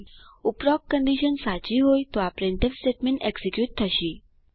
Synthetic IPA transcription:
upɾɔkkːəɳɖiɕənsat͡ɕiɦojt̪oapɾeɳʈ̪efsʈeʈmẽɳʈeksikjuːʈ̚t̪ʰəʃi

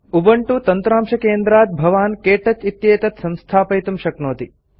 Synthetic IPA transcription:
ubɐɳʈut̪ɐnt̪ɾaːmʃɐkeːnd̪ɾaːt̪̚bʱɐʋaːnkeːʈɐt͡ʃit̪jeːt̪ɐt̪sɐ̃mst̪ʰaːpɐjt̪ɐmʃɐknoːt̪i

